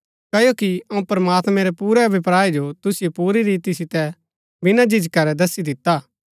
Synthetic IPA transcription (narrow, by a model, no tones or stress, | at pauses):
kɐjokiɐũpɐɾɐmaːt̪mɛ̃ɾɛpuːɾɛbɪpɾaːid͡ʒot̪ʊsɪjopuːɾiɾiːt̪isɪt̪ɛ | bɪnad͡ʒɪd͡ʒkɐɾɛd̪ɐsid̪ɪt̪ːaː